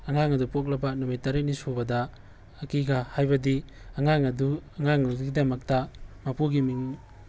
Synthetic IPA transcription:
ɐŋaŋɐdupok̬̚lɐbɐnumijtaɾinisubɐdɐː | kiɡahajbɐdi | ɐŋaŋɐduɐŋaŋɐduɡidɐmɐk̚tɐmapuɡimiŋ

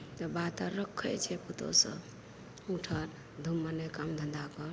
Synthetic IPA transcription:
t̪ɔbat̪aɾəkʰːəjt͡ʃʰɛput̪o̰sə̰b | uʈʰəɾ | d̪ʱumːənekamd̪ʱənd̪akəɾ

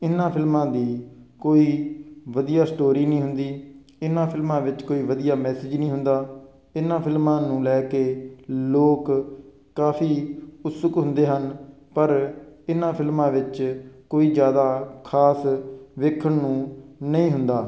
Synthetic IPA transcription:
ɪnãːpʰɪlmãːd̪iː | koːiːʋəd̪ijaːsʈoːɾiːnĩːɦʊnd̪iː | ɪnãːpʰɪlmãːʋɪt͡ʃkoːiːʋəd̪ijaːmɛːsɪd͡ʒnĩːɦʊnd̪aː | ɪnãːpʰɪlmãːnũːlɛːkeːloːk | kaːpʰiːʊt̪səkɦʊ̃nd̪eːɦən | pəɾɪnãːpʰɪlmãːʋɪt͡ʃkoːiːd͡ʒjaːd̪aːkʰaːsʋɪkʰːəɳnũːnəĩːɦʊnd̪aː

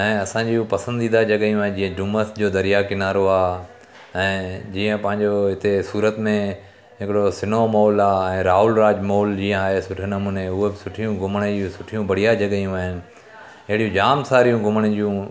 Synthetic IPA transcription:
ɛ̃ːɐsãːɲd͡ʑiupɐsə̃nd̪iːd̪ad͡ʑɐɠajũaːɦɪ̃d͡ʑiːə̃ɖuːməsd͡ʑoːd̪ɐɾijakɪnaːɾoaː | ɛ̃ːd͡ʑiːə̃pɐ̃ɦɪ̃ɲd͡ʑoɦɪt̪esuːɾət̪mẽ | ɦɪkɪɽosɪnomoːlaːɛ̃ːɾaːɦʊlɾaːd͡ʑmoːld͡ʑiːə̃aːɦesʊʈʰnɐmũːneʊɦebɪsʊʈʰijũɡʱʊməɽ̃eisʊʈʰijũbɐɽ̤ijad͡ʑɐɠijũaːɦɪnɪ̆ | ɐɦɪɽijũd͡ʑaːmsaːɾijũɡʊməɽ̃ə̃d͡ʑijũ

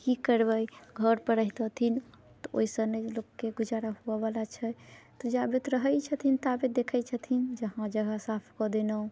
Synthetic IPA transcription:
kikəɾbəjɡʱəɾpəɾəɦt̪ət̪ʰin | t̪ɔo̰isənəjlokːeɡud͡ʒaɾaɦuɛbalat͡ʃʰɛt̪ɔd͡ʒabet̪ɾəɦəjt͡ʃʰət̪ʰint̪abed̪ekʰəjt͡ʃʰət̪ʰind͡ʒəɦãd͡ʒəɡʱasapʰkɔd̪enə̃

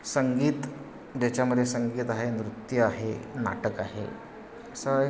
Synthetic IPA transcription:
səŋɡiːt̪ | d͡ʑat͡ɕjaməd̪ʱːjesəŋɡiːt̪aɦenɾut̪jəaɦḛna̰ʈəkaɦḛ | əsə

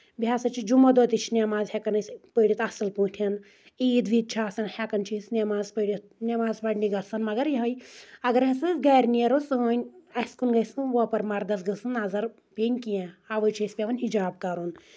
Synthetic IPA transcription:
bʱʲjaːsɐt͡ʃʰid͡ʒumɐd̪ɔt̪it͡ʃʰinʲemaːzhekɐnɐsʲpəɽʲit̪ɐsɐlpũːʈʰɐn | iːd̪ʋiːt̪̚t͡ʃʰaːsɐnhekɐnt͡ʃʰisnʲemaːzpəɽʲit̪nʲemaːzbɐɖniɡɐsɐnmɐɡɐɾjiɦɐjɐɡɐɾɦɐ̃sɨsɡaːjɾʲniɐɾosənʲɐskunɡɐjsɨʋɐpɐɾmaɾd̪ɐsɡɨsɨnaːzɐɾ | pʲenʲkijɛ̃aʋəjt͡ʃʰisʲpʲeʋɐnʲɦid͡ʒaːb̚kaːɾun

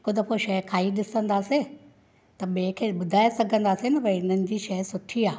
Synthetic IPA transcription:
kʊd̪ʱɐpʰoʃɐjkʰaːiɗɪsə̃nd̪aːse | t̪ɐɓẽkʰeːɓʊd̪ʱaːesɐɡʱə̃nd̪aːsenɐbɐ̃ɪn̤ənɪ̆d͡ʑiːʃɐjsʊʈʰiaː

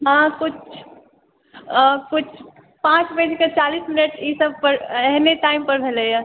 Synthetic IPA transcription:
ɦãkut͡ʃʰ | kut͡ʃʰ | pãt͡ʃbəd͡ʒʱket͡ʃalisminəʈisəb̚ʱpəɾeɦmeʈaimpəɾbʱeləjə

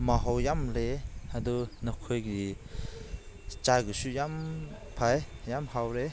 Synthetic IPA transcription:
maɦawjamleadɔnɔkʰojɡi | t͡ʃaɡɯsujampʰajjamɦawɾe

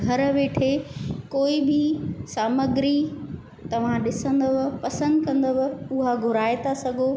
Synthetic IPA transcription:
ɡʱɐɾə̆ʋeːʈʰekoːibʱɪsaːməɡɪɾi | t̪ɐʋ̤ãɗɪsə̃nd̪əʋə̆pɐsə̃nd̪kɐ̃nd̪əʋə̆ʊɦaɡʱʊɾaːɪt̪asɐɡʱoː

